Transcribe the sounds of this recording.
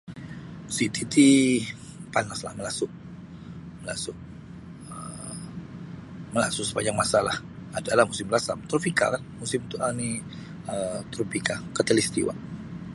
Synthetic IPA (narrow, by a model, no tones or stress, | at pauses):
sit̪it̪i | panasla̰hməlasʊʔ | məlasʊʔ | ə | məla̰sʊksə̥paɲd͡ʒaŋmasalah | adalahmusɪmɾasa̰mt̪ɾopika̰kanmusɪmt̪uʔani | ət̪ɾopikakət̪elist̪ḭwa̰